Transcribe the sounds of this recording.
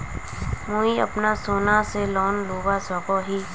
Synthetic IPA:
moːiə̰pnasoːnaselɔːnloːʋasɔːkoɦiː

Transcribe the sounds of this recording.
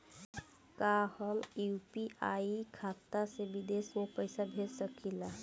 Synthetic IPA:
kahəmjupiaːikʰaːt̪asebid̪eːsmopəjsabʱeːsəkʰila

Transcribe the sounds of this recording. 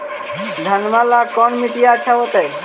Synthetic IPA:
d̪ʱanmalakɔnmiʈijat͡ʃʰawot̪aj

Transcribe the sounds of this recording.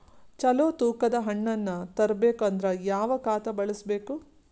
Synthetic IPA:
t͡ʃɐloːt̪uːkɐd̪ɐɦɐɳːɐnːɐt̪ɐɾɐbe̞ːkuɐnd̪ɾɐjaːʋɐkaːt̪ɐbɐɭisbeːku

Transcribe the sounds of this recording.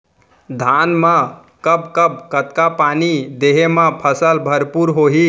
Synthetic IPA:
d̪ʱanmã | kəbkəb̚kət̪kapanid̪eɦemãpʰəsəlbʱəɾpuɾɦoɦi

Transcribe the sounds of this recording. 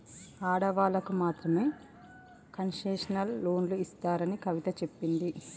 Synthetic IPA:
aːɽɐʋaːlɐkumaːt̪ɾɐme̞ː | kɐnʂeːʂɐnɐlːo̞ːnluist̪aːɾɐnikɐʋit̪ɐt͡ʃe̞pːind̪i

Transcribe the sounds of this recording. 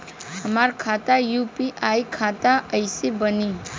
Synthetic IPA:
ɦəmaɾkʰat̪ajupiʔajkʰat̪aəjsebəni

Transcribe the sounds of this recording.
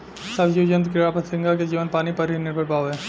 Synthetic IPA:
səbd͡ʒid͡ʒə̃nt̪kɾɪɾaːpət̪sɪ̃ŋɡak̬ed͡ʒiːʋənpaːnipɐɾɦinɪɾbʱəɽpaːʋɛː

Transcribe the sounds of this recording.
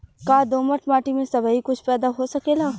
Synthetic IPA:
kaːd̪oːməʈʰmaːʈimẽsɐbaɦikʊt͡ʃʰpɛːd̪aɦosɐkeːlaː

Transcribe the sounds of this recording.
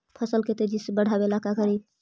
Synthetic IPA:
pʰəsəlket̪ed͡ʒisebəɽ̤ʱabelakakəɾi

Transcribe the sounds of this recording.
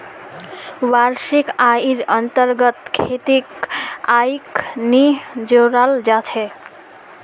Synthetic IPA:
waɾsikaiɾʌnt̪əɾɡʌt̪kʰet̪ikajknid͡ʒoɾald͡ʒat͡ʃʰɛ

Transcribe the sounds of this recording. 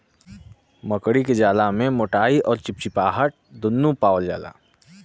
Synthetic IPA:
məkɽiked͡ʒaːlamẽmoːʈaːiʔɔːɾt͡ʃɪp̚t͡ʃipaːɦəʈ̚d̪ʊnːũpaːʋəld͡ʒa̰ːla̰ː

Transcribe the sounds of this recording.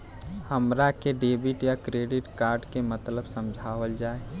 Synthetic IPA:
həmɾakeɖeːbɪʈjakɾeːɖɪʈkaːɾɖkemət̪ləbsə̃md͡ʒʱaːʋəld͡ʒaːe

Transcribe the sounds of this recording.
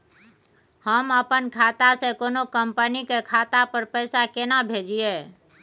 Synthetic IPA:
həməpənkʰaːt̪asẽkoːnokəmpənikekʰat̪apəɾpəɪsakenabʱed͡ʒie

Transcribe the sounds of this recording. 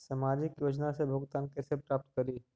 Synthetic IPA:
saːmaːd͡ʒɪkjoːd͡ʒnasebʱoɡt̪aːnkesepɾaːp̚t̪kɐɾiː

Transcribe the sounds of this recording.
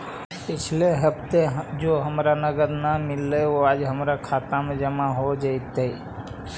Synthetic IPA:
pɪt͡ʃʰleɦəpt̪ed͡ʒoːɦəmɾanəɡəd̪namɪlːeʋoaːd͡ʒɦəmɾakʰaːt̪amẽd͡ʒəmaɦod͡ʒaɪt̪e

